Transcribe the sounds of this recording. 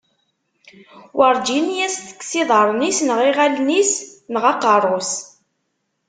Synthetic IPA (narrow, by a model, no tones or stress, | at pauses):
wʔɑɾˤd͡ʒinjæsθə̥kːsiðˤəɾˤnisnəʁiʁælnisnəʁɑqɑrˤʊs